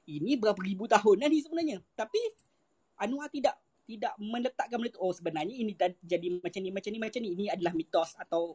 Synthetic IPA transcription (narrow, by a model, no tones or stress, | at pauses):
inibəɾapaɾibut̪aɦʊnanis̬əbənarɲãt̪api | ʔanuat̪idaʔ | t̪idaʔmə̃lət̪aʔkanmələt̪aʔosəbənarɲainĩt̪ad͡ʒadimat͡ʃamnimat͡ʃamnimat͡ʃamniiniadalahmit̪ɔsat̪aw